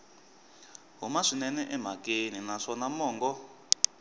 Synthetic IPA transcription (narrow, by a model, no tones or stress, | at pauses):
ɦumaʂinɛnɛʔɛm̤akeninaʂɔnamɔːŋɡɔ